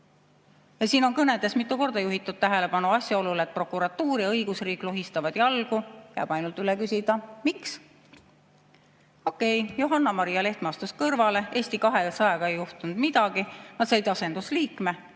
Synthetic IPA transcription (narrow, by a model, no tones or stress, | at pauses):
jɑsiːno̞nkɤned̪e̞smit̪ːˑuko̞rd̪ɑjuɦit̪ːˑud̪̥t̪ːæɦe̞le̞pɑnuɑsjɑo̞lulet̪̚pro̞kːˑuɾɑt̪ːuːɾjɑɤjɡ̥usriːkˑloɦist̪ɑvɑd̪̥jɑlɡ̥ujæ̰ːb̥ɑjnult̪ylekysʲid̪̥ɑmiks | o̞kːˑe̞jjoɦɑnːɑmɑɾijɑle̞ht̪mɑst̪uskɤrvɑle̞ʔe̞ːsʲt̪ikɑɦe̞sɑjɑɡ̥ɑe̞jːuht̪unud̪̥mid̪̥ɑɡ̥inɑt̪sɑjd̪̥ɑse̞nd̪̥usliːkˑme